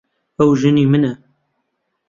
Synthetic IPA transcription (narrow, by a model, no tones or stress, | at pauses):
ɐwʒɨnimɨnɐ